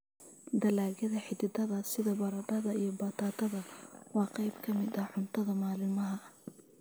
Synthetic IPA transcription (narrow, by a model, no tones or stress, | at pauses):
d̪ɐlaːɣɐðɐħɪd̪ɪd̪ɐðɐsɪðɐbɐɾɐɖɐðɐijɞbɐt̪ʰaːt̪ʰɐðɐwɑːqɑjbkʰɐmɪd̪ɐħʊnt̪ʰɐðɐmaːlɪmɐɦɐ